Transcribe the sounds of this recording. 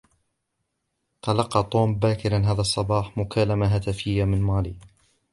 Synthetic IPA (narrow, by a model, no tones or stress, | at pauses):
t̪ɑlɑqːɑt̪ˤoːmbaːkɪɾanɦaːðasˤːɑbɑːħmʊkʰaːlamaɦat̪afɪjːamɪnmaːlḭː